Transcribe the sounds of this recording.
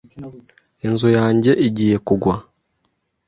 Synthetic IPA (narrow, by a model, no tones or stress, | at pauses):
inzujaːɲɟe̞ʔiɟiːje̞kuɡwa